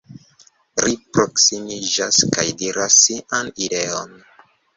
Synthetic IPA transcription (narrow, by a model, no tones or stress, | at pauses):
ɾipɾo̞ksimid͡ʒaskajdiɾasːiʔanide̞on